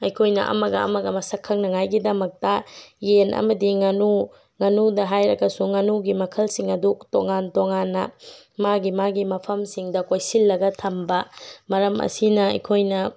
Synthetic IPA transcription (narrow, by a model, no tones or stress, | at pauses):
ɐjkʰojnɐ̰ʔɐ̰mɐɡɐɐ̰mɐɡɐmɐsɐkʰːɐŋnɐŋajɡidɐmɐk̚tɐjenʔɐ̰mɐdiŋɐnu | ŋɐnudɐɦajɾɐkɐsuŋɐnuɡimɐkʰɐlsiŋɐdutoŋantoŋanːɐ̰ | maɡimaɡimɐpʰɐmsiŋdɐkojsilːɐɡɐtʰɐmbɐmɐɾɐmʔɐ̰sinɐɐ̰jkʰojnɐ